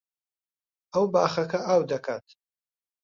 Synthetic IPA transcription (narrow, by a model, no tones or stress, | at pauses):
ɐwbaːχɐkʰɐaːwd̪ɐkʰaːt̪ʰ